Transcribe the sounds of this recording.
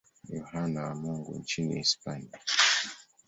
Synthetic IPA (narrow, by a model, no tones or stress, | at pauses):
jɔhanawamɔŋɡṵnt͡ʃinḭɛspania